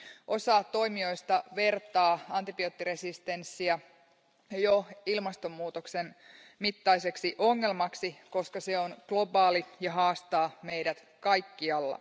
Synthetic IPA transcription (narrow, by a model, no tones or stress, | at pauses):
ʔo̞sɑːtt̪ːo̞jmio̞jst̪ɑʋe̞rt̪ɑːɑnt̪ipio̞t̪ːiresist̪e̞nsːiæ | joilmɑst̪o̞mːuːt̪oksen | mit̪ːɑis̬e̞ksiʔo̞ŋːe̞lmɑksiko̞skɑseonɡ̥lo̞bɑːlijɑɦɑːst̪ɑːmejdæt̪ | kɑjkːiɑlːɑ̰